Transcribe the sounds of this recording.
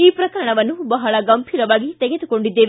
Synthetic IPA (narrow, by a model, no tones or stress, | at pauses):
iːpɾɐkɐɾɐɳɐʋɐnːubɐɦɐɭɐɡɐmbʱiːɾɐʋaːɡit̪ɛɡed̪uko̞ɳɖid̪ːeːʋe